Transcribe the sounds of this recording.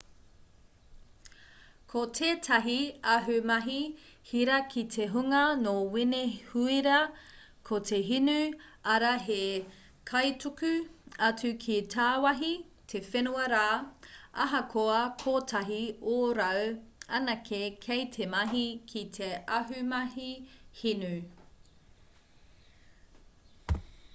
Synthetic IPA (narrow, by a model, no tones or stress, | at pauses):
kʰotʰeːtʰɐɦiɐɦʉmɐɦihiɾɐkʰitʰeɦuŋɐnowinehuiɾɐ | kʰotʰeɦinʉɐɾɐɦe | kʰɐjtukʉɐt͡sʉkʰitʰaːwɐɦi | tʰefenuɐɾaːɐɦɐkʰoɐkʰoːtʰɐɦioɾɐwɐnɐkʰekʰejtʰemɐɦikʰitʰeɐɦʉmɐɦihinʉ